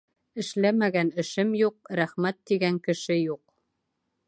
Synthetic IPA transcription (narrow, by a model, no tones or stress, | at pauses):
ɘ̆ʃlæmæɡænɘ̆ʃɘmjuq̚ɾæχmæt̪ːiɡæŋkɘ̆ʃɘjuq